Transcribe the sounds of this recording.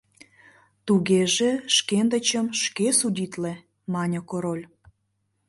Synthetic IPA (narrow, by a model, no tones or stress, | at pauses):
t̪uɣeʒeʃkend̪ə̆t͡ɕəmʃkesudʲit̪le | mɑnʲokoɾolʲ